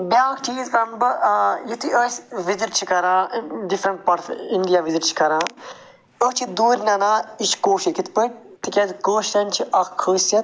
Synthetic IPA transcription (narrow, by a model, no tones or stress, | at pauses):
bʲaːkʈʰiːzkɾɐmbɐjit̪ʰiʔəːsʲʋiziʈ̚t͡ʃʰikɐɾãːɖifɾɐɳʈ̚pɐɾt̪inɖijaʋiziʈt͡ʃʰi̥kɐɾãː | əht͡ʃʰid̪uːɾʲnʲɐnaːiʃkoːʃikit̪ʰpəʈ̚ | t̪ikʲɐzkoːʃʈɐnʲt͡ʃʰiʔɐkkʰːəːsɐt̪